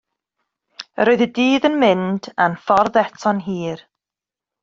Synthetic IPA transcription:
əɾoːɨðədiːðənmɪnd̥anfɔrðɛtʰɔnɦiːr

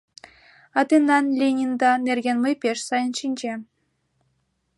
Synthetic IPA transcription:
ɑt̪ʲenːɑnlʲenʲind̪ɑnʲerʲɡʲenmɤjpʲeʃsɑjənʃinʲd͡ʑe

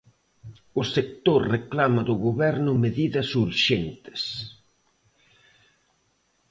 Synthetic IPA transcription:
ʊsek̚t̪oɾreklamɐðʊɣoβɛɾnʊmeðiðɐsuɾʃent̪ɪ̥s

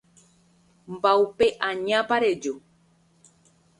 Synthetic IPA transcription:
mbaupe̞ʔãɲãpaɾed͡ʒo

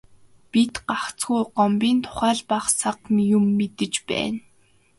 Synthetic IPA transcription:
pit̪ɢaχt͡sɡujɢɔmpiːnt̪ʰʊ̥χæːɮpaχsaqmijʊmːet̪ɘ̆t͡ɕpæ̰ːn

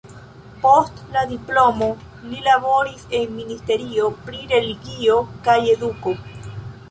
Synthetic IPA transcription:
postlaðiplomo | nilaβoɾise̞nminist̪e̞ɾiopɾiɾeliɡiokaje̞d̪uko

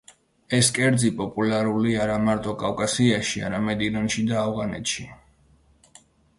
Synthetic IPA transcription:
ɛskʼɛɾd̪zipʼɔpʼulaɾuliaɾamaɾt̪ʼɔkʼawkʼasiaʃia̰ɾamɛd̪ilɔnʃid̪aːvʁanɛ̰t̪ʃi

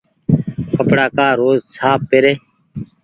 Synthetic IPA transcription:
kəpɽaːkaːɾoːzsʰaːpːɪɾeː

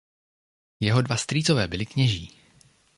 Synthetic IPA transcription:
jɛɦo̞dvast̪ɾiːt͡so̞vɛːbɪlɪkɲɛʒiː

